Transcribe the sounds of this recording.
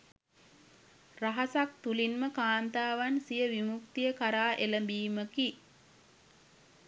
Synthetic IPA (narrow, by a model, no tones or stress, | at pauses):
raɦasak̚t̪ulinməkaːnt̪aːʋansijəʋimuk̚t̪ijəkaɾaːʔeləmbiːməki